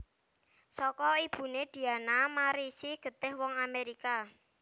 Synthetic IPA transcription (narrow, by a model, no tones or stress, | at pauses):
sɔkɔib̥ṳned̪̥i̤anamaɾisiɡ̥ə̤t̪ɪhwɔŋameɾika